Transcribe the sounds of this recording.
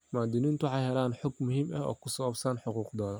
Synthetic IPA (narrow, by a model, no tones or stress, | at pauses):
maːd̪ɪnint̪ʊħɑjhɛlaːnħɔɡmʊɦiːmɐɦɔ̰ːkʰʊsɐwabsaːnħʊquːqd̪ɔːðɐ